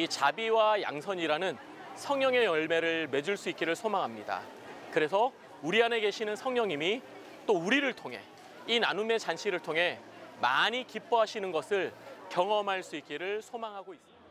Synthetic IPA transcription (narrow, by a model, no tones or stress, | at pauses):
it͡ɕabiwaja̰ŋsʰʌɲiɾanɯn | sʰʌŋɲʌŋe̞jʌɭme̞ɾɯɭme̞d͡ʑuɭs͈uit̚k͈iɾɯɭsʰomaŋɦamɲida̰ | kɯɾe̞sʰʌ | uɾiane̞ɡe̞ɕʰinɯnsʰʌŋɲʌŋimi | t͈ouɾiɾɯɭtʰoŋɦe̞̰ | inanume̞t͡ɕanɕʰiɾɯɭtʰoŋɦe̞ | maɲikip͈ʌɦaɕʰinɯnɡʌsʰɯɭkjʌŋʌmɦaɭs͈uit̚k͈iɾɯɭsʰomaŋɦaɡois͈ɯ